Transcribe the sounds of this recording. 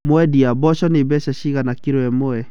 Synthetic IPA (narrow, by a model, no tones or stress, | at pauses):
mɔɛdiabɔʃɔnɪbɛʃaʃiɣanakiɾɔɛmɔɛ